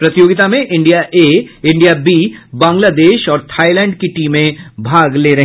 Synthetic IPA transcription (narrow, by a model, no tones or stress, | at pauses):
pɾɐt̪ɪjoːɡɪt̪amẽʔɪ̃ɳɖijaʔeːɪ̃ɳɖijabiːbãːŋɡlaːd̪eːʃɔːɾt̪ʰaːilɛ̃ːɳɖkiʈiːmẽbʱaːɡleːɾɐɦ